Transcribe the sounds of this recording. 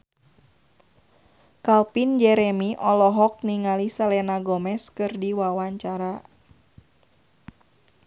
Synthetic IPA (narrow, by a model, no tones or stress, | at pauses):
kalpind͡ʒɛɾɛmiʔɔlɔɦɔk̚niŋalisalɛnaɡɔmɛskɨrdiwawaɲt͡ʃaɾa